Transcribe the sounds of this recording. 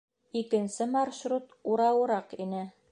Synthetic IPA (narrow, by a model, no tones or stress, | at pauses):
ikɘ̆nsɘmɑɾʃɾut̪uɾɑwɤ̆ɾɑqinɘ